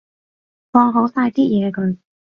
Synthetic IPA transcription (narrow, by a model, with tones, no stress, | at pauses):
fɔː˧ɦo˨˥wsaː˧jt̪iː˥jɛː˨˧kɔ˨˧˦n